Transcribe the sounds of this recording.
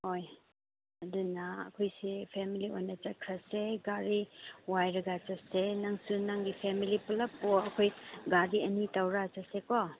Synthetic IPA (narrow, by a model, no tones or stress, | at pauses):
hoj | ɐdunɐɐ̰kʰojsipʰemiliojnɐt͡ʃɐkʰɾɐseɡaɾiwajɾɐɡat͡ʃɐsenaŋsunaŋɡipʰemilipɐlɐpːoɐkʰojɡaɾiɐnitɐwɾat͡ʃasekɔ